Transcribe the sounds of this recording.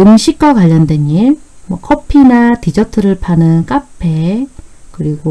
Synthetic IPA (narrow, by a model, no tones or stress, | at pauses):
ɯmɕʰik͈̚akwaʎːʌndweɲimwʌkʰʌpʰinatid͡ʑʌtʰɯɾɯɭpʰanɯnk͈apʰe | kɯɾiɡo